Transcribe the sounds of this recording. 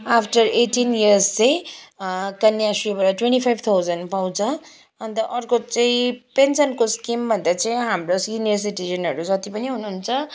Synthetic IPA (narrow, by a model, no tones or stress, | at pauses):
apʰʈʌreʈiniʌrst͡sʌ̃j̃ | kʌnjasribʌɾʌʈweɳʈipʰajbʱt̪ʰawd͡zʌnpaw̃t͡sʰʌ | ʌnt̪ʌʔʌrkot͡sãĩpensʌnkoskimbʱʌnd̪at͡saĩɦamroskinesiʈizʌnʌɾud͡zʌt̪ipʌniɦunuɦunt͡sʰʌ